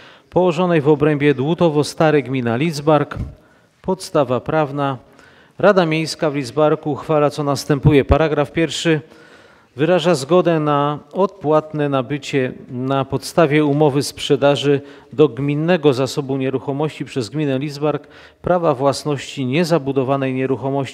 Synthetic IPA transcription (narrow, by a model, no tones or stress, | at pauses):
pɔwɔʐɔnɛjvɔbɾɛmbʲjɛd̪wut̪ɔvɔst̪aɾɛɡmʲinalʲid̪zbaɾk | pɔt̪st̪avapɾavna | ɾad̪amʲjejskavlʲid̪zbaɾkuxfalat̪sɔnast̪ɛmpujɛpaɾaɡɾafpʲjɛɾfʂɘ | vɘɾaʐazɡɔd̪ɛnaɔt̪̚pwat̪nɛnabɘt͡ɕɛnapɔt̪st̪avʲjɛumɔvɘspʂɛd̪aʐɘ | d̪ɔɡmʲinːɛɡɔzasɔbuɲɛɾuxɔmɔɕt͡ɕipʂɛzɡmʲinɛlʲid̪zbaɾk | pɾavavwasnɔɕt͡ɕiɲɛzabud̪ɔvanɛjɲɛɾuxɔmɔɕt͡ɕii